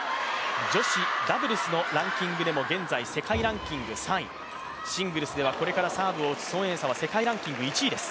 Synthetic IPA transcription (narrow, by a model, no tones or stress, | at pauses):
d͡ʑo̞ɕid̪abɯ̟ɾɯ̟sɨno̞ɾãŋkʲĩŋɡɯ̟d̪e̞mo̞ɡẽ̞nd͡zaise̞kaiɾãŋkʲĩŋɡɯ̟sãi | ɕĩŋɡɯ̟ɾɯ̟sɨd̪e̞βako̞ɾe̞kaɾasaːbɯ̟oːt͡sɨ̥sõ̞ɰ̃ẽ̞ɰsaβ̞ase̞kaiɾãŋkʲĩŋɡɯ̟it͡ɕiːd̪e̞sɨ̥